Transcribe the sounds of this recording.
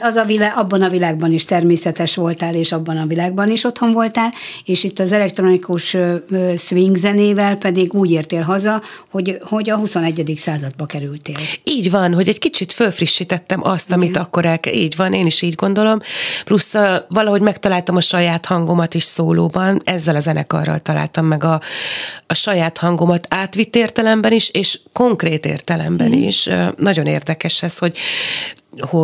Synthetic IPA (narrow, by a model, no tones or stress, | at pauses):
ɒzɒvilaʔɒbːɒnɒvilaːɡ̚bɒniʃt̪ɛrmeːsɛt̪ɛʃʋo̞lt̪aːleːʃɒbːɒnɒvilaːɡbɒniʃo̞t̪ho̞ɱvo̞lt̪aːleːʃit̪ːɒzɛlɛk̚t̪ro̞nikuʃ | sʋiŋɡzɛneːvɛlpɛd̪iɡuːɟeːrt̪eːlɦɒzɒho̞ɟho̞ɟɒɦuso̞nɛɟːɛd̪iksaːzɒd̪̚bɒkɛɾylt̪eːliːɟʋɒnɦo̞ɟɛckit͡ʃit̪følfriʃːit̪ɛt̪ːɛmʔɒ̰st̪ɒmit̪ɒkːoɾɛlkɛiːɟʋɒneːniʃiːɟɡo̞nd̪o̞lo̞mplusvɒlɒɦo̞ɟmɛkt̪ɒlaːlt̪ɒmɒʃɒjaːt̪hɒŋɡo̞mɒt̪iʃsoːloːbɒnɛzːɛlɒzɛnɛkɒ̰rːɒ̰lt̪ɒla̰ːlt̪ɒmːɛɡɒː | ʃɒjaːt̪hɒŋɡo̞mɒt̪aːt̪ʋit̪ːeːrt̪ɛlɛmbɛniʃeːʃko̞ŋkreːt̪ḛːrt̪ɛlɛ̰mbɛ̰nḭʃnɒɟo̞nḛːrd̪ɛkɛʃɛsho̞ɟ | ho